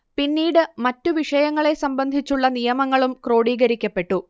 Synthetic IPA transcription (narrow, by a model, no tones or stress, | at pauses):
pinːiːɽɨmɐtːuʋiʂɐjɐŋːɐɭe̞sɐmbɐnd̪ʱit͡ɕːuɭːɐnijɐmɐŋːɐɭumkro̞ːɽiːɡɐɾikʲːɐpːe̞ʈːu